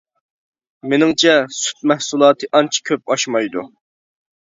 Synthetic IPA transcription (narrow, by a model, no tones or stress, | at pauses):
menɪŋt͡ʃʰɛsy̥t̪̚mɛhsulˠɑːt̪ʰɨʔɑnt͡ʃʰi̥kʲʰøp̚ɑʃmɑjd̪ṵ